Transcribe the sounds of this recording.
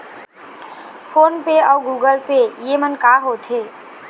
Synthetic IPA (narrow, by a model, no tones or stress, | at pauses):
pʰoːnpeɔːɡuːɡəlpejemənkaːɦot̪ʰeː